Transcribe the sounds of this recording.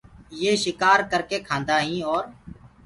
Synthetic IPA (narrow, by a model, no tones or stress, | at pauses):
jeːʃɪkaːɾkəɾkeːkʰãːnd̪aːɦĩːɔːɾ